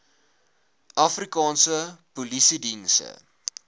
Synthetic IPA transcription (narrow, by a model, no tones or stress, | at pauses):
ʔɐfrikɑːnsəpulisidinsə̰